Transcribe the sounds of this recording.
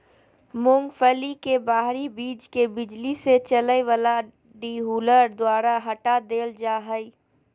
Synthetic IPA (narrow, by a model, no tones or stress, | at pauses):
mʊ̃ŋɡfəlikebaːɦɾibiːd͡ʒkebɪd͡ʒliset͡ʃələeʋəla | ɖiːɦuːləɾd̪waːɾaɦɐʈad̪eːld͡ʒaːɦəi